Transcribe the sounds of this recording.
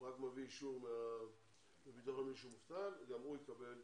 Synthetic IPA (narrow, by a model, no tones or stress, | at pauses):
ʁakmeviːʃuʁmea | mebit̪oʁamiʃ̬umuft̪alɡamujekabe̞l